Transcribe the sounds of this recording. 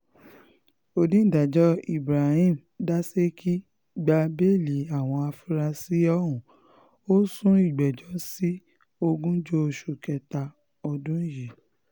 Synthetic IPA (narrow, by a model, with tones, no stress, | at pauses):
o˨dĩ˦˨da˨d͡ʒɔ˨˦i˦˨bɾa˨hĩ˦˨m | da˦se˦kʰi˦ | ɡ͡ba˧be˦˨li˨˦a˦˨w̃ɔ̃˧a˧fu˦ɾa˧si˦ɔ˦ɦũ˨ | o˦sũ˦i˦˨ɡ͡bɛ˨d͡ʒɔ˨˦si˦ | o˧ɡũ˦d͡ʒo˦o˨ʃu˨kɛ˧ta˧ | ɔ˧dũ˦ji˨